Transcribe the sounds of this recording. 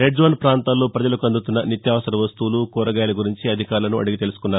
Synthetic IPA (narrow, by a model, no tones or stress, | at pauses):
ɾeɖd͡ʒʋɐnpɾaːnt̪aːlːo̞ːpɾɐd͡ʒɐlɐkuɐnd̪ut̪unːɐnit̪jaːʋɐsɐɾɐʋɐst̪ulukɔːɾɐɡaːjlɐɡuɾiɲt͡ʃiɐd̪ʱikaːɾlɐnuʔɐ̰ɽiɡit̪e̞lusu̥kunːaːɾu